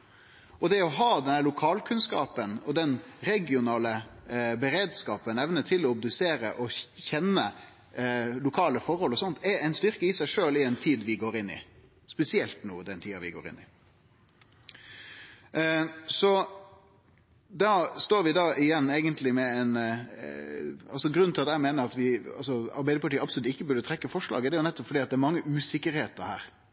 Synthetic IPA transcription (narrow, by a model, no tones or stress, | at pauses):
ɔd̪ɛɔɦɑːd̪ɛnælʊkʰɑːlkʰʉnskɑ̰ːpənɔd̪ɛnɾɛɡɪʊnɑːləbəɾeːd̪skɑːpənɛʋnət̪ʰɪlɔɔb̚d̪ʉseːɾə̰ʔɔçɛnːə | lʊkʰɑːləfɔɾhɔlɔsɔnt̪ʰɛɛɪnst̪ʏʁkəɪsæɪʂøːlɪɛɪnt̪ʰiːd̪ʋɪɡoːɾɪnːɪ̰ | spɛsɪɛlt̪nṵːd̪ɛnt̪ʰiːɑʋɪ̰ɡo̰ːɾɪ̰nːɪ̰ | sɔ | d̪ɑːst̪oːɾʋɪd̪ɑɪjɛnːeɪɡənt̪ʰlɪmɛɛɪn | ɑ̰lsɔɡɾʉnʰɪlɑt̪ːæɪmeːnəɾɑt̪ʋɪɑ̰lsɔɑ̰ɾbæɪd̪əpʰɑʈʰiːəɑpsɔlʉt̪ɪkːəbʉɾd̪ət̪ʰɾɛkːəfɔʂlɑ̰ːɡəd̪ɛjʊnɛt̪ːɔpfɔɖiːɑt̪d̪ɛæɾmɑŋːəʔʉːsɪkːəɾheːt̪əɾhæ̰ːɾ